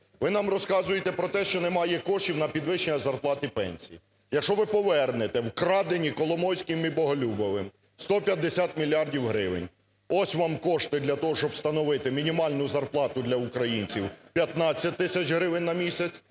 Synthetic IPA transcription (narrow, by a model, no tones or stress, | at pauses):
ʋɪnɑmrɔskɑzʊjet̪ɛpɾɔt̪ɛʃt͡ʃɔnɛmɑjɛkɔʃtʲiwnɐpʲid̪ʋɪʃt͡ʃenʲɐzɐrplˠɑt̪ɪpɛ̰nʲsʲiji | jɐkʃɔʋɪpɔʋɛrnet̪ɛwkɾɑd̪enʲikɔlˠɔmɔwsʲkɪmibɔɦɔlʲubɔʋɪm | st̪ɔpʲjɐd̪ːesʲat̪mʲilʲːiɑrdʲiwɦɾɪʋɪ̰nʲ | ɔsʲʋɑmkɔʃt̪ɪd̪lʲɐt̪ɔɦɔʃt͡ʃɔbst̪ɐnɔʋɪt̪ɪmʲinʲimɑlʲnʊzɐrplˠɑt̪ʊd̪lʲɐukɾɐjinʲt͡sʲiwpʲjɐt̪nɑt͡sʲːɐt̚ʲt̪ːɪsʲɐt͡ʃɦɾɪʋɪnʲːɐmʲisʲɐt͡sʲ